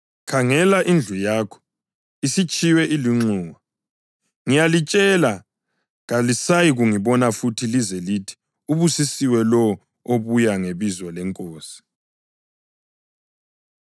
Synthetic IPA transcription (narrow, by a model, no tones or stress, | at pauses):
kʰaŋɛlaʔind͡ɮʱujaːkʰɔ̥ | isit͡ʃʼiwɛʔiliŋ͡ǁuːwa | ŋijalit͡ʃʼɛla | ɣalisajiɣuŋiβɔnafutʰilizɛlitʰi̥ | uβusisiwɛlɔ | oβujaŋeβizwɔlɛŋkʼoːsi̥